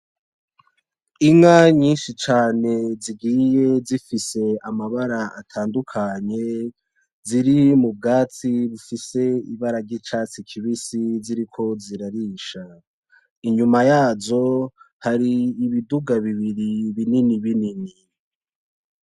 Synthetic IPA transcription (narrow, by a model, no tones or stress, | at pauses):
iŋaɲiːnʃit͡ʃaːne̞ziɡije̞zifise̞amaβaɾaatʰaːndukʰaɲe̞ | ziɾimub̚ɡaːt͡siβufise̞ḭβaɾaɟit͡ʃaːt͡sikʰiβisiziɾikʰo̞ziɾaɾiːʃa | iɲumajaːzo̞ | haɾiːβiduɡaβiβiɾiβininiβinini